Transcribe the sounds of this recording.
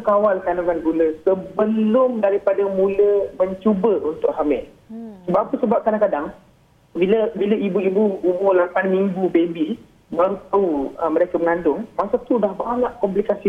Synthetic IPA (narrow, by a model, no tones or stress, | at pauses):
kawalkanakanɡuləsəbəlʊmdaɾipadamũləməɲt͡ʃubəunt̪ʊʔɦamɛl | səbaʔapəsəbap̚kadaŋkadaŋ | biləbiləibuibuumʊlapanmĩŋɡubebi | baɾut̪uəməɾekəməŋandʊŋmasat̪udahbaɲaʔkɔmplikasi